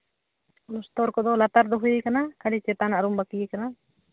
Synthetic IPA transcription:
lɔst̪ɔɾkɔd̪ɔlat̪aɾd̪ɔɦuikanakalit͡ʃɛt̪anaʔɾumbakiikana

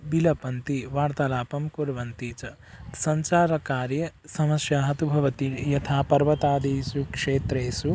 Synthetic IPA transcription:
bilɐpɐnt̪iʋaːɾt̪ɐlaːpɐmkuɾʋɐnt̪iːt͡ʃɐ | sɐɲt͡ʃaːɾɐkaːɾjɐsɐmɐsjaːɦɐt̪ubʱɐʋɐt̪ijɐt̪ʰaːpɐɾʋɐt̪aːd̪iːsukʂeːt̪ɾeːsu

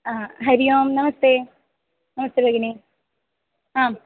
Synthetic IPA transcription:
aːɦɐɾijoːmnɐmɐst̪eː | nɐmɐst̪eːbʱɐɡɐɳi | ɦaːm

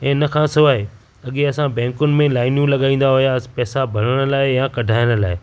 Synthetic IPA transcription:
ɛ̃ːɪnəkʰãːsʊaːɦe | ɐɠeɐsãbɛ̃ːŋkʊnɪ̆mẽlaːɪnjũlɐɠaːĩːn̆d̪aɦʊjaspɛːsabʱɐləɽ̃ə̆laːɪjãkɐɖʱaːjəɽ̃ə̆laːɪ

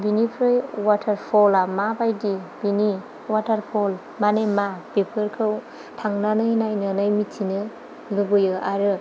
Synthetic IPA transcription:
binipʰɾɯjwatʰaɾpʰɔlamabajdib̥ini | watʰaɾpʰɔl | manemapepʰɯɾkʰɯw | tʰaŋnanɯjnajnɯnɯjmitʰinɯ | lɯɡɯjɯaɾɯ

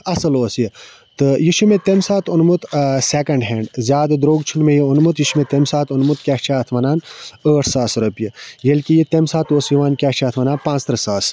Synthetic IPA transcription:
ɐsɐloːsji | t̪ɨjiʃumet̪emsaːt̪ʰunmut̪sekɐɳɖɦeːɳɖzʲjaːd̪ɐd̪ɾoːɡt͡ʃʰunmejiunmut̪jiʃmet̪emsaːt̪unmut̪kʲaːʃt͡ʃʰaːt̪ʰʋɐnaːnəːʈʰsaːsɾɐpjijelkʲijit̪emsaːt̪oːsjiʋaːnkʲaːʃt͡ʃʰaːt̪ʰʋɐnaːnpãːt͡st̪ɾɐsaːs

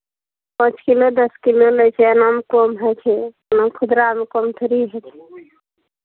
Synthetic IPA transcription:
pə̃t͡ʃkilod̪əskiloləjt͡ʃʰeənamkomɦət͡ʃʰɛənəmkʰʊd̪ɾamekomt̪ʰuɾiɦət͡ʃʰɛ̥

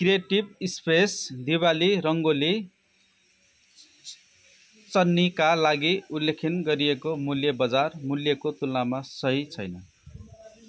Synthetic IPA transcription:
krijeʈibispesd̪ibaliɾʌŋɡoli | t͡sʌnːikalaɡiulːekʰinɡʌɾiekomuljʌbʌd͡zarmuljʌkot̪ulnamasʌɦit͡sʰʌjnʌ

